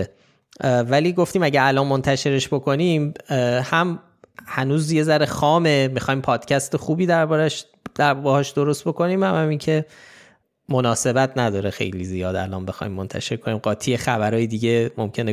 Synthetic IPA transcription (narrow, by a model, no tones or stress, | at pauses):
væliːɡo̞ft̪iːmæɟæɾælɒːnmo̞nt̪ʰæʃe̞ɾeʃbo̞kʰo̞nimhæm | hænuːzje̞zæɾexɒːme̞mixɒːjmpʰɒːd̪̥cʰæst̪exuːbiːd̪æɾbɒːɾæʃ | d̪æɾbehɒːʃd̪o̞ɾost̪bo̞ko̞niːmhæmhæmincʰe̞ | monɒːse̞bæt̪ʰnæd̪ɒːɾexḛjlizijɒːd̪æ̰lɒ̰ːnbe̞xɒ̰ːjmːont̪ʰæ̰ʃe̞ɾkʰo̞niːmɢɒːt̪ʰiːjexæbæɾɒːjed̪iːɟe̞momcʰe̞ne